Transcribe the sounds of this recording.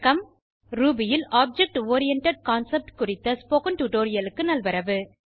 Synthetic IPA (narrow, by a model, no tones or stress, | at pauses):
kɐm | ɾuːbɪjɪlaːb̚d͡ʒɛk̚ʈoːɾɪjɐɳʈɐɖ̚kaːnsɐp̚ʈkʊrɪt̪ːɐspoːkɐnʈuʈoːɾɪjɐlɯkːɯnɐlʋɐɾɐʋɯ